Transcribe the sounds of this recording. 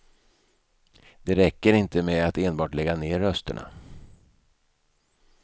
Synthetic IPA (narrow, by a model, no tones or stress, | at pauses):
d̪̥ɛɾɛkːəɾɪnt̪əmɛat̪eːnbɑːʈlɛɡːaneːɾːœst̪ə̰ɳa̰